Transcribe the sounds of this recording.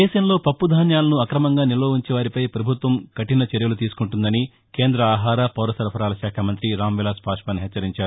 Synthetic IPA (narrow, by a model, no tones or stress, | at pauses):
ɛːʃɐmlo̞ːpɐpːud̪ʱaːnjaːlɐnuɐkɾɐmɐŋɡaːniloːʋuɲt͡ʃɛʋaːɾipɐjpɾɐbʱut̪ʋɐmkɐʈinɐt͡ʃeɾjɐlut̪iːsu̥kuɳʈund̪ɐni | keːnd̪ɾɐaːɦaːɾɐpɐwɾɐsɐɾpʰɐɾaːlɐʃaːkʰamɐnt̪ɾiɾaːmʋilaːspaːʂpɐnɦɛt͡ʃːɐɾiɲt͡ʃaːɾu